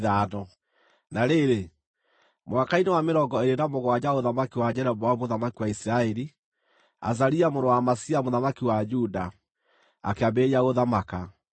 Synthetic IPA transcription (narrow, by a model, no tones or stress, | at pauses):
ðanɔ | naɾeɾe | mwakainewameɾɔŋɡɔeɾenamoɣwad͡ʑaoðamakiwad͡ʒɛɾɛbɔamoðamakiwaisiɾaɛɾi | a̰z̬aɾiamondɔwamasiamoðamakiwad͡ʒuda | a̰keabeɾiaɣoðamaka